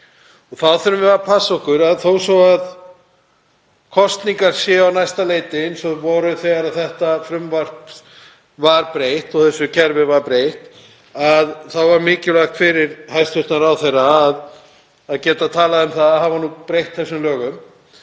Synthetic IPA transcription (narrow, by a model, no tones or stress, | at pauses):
ɔɣθawθɛɾʏmvɪvaɾpʰasːɔhkʏɾaðθowsɔwað | kʰɔst̪niŋkaɾ̥sjɛawnajst̪aleːjt̪ɪnsɔvɔɾʏθɛːɣaɾaðθɛht̪afɾʏmvar̥p | vaɾpɾejht̪ɔɣθɛsːʏcʰɛɾvɪvaɾpɾejht̪ | aðθawvaɾmɪːcɪlaxt̪fɪɾɪɾ̥hajst̪ʏht̪naɾawθejraːð | aðcɛːt̪at̪ʰaːlaðʏmθaðaɦavanupɾejht̪θɛsːʏmlœːɣʏm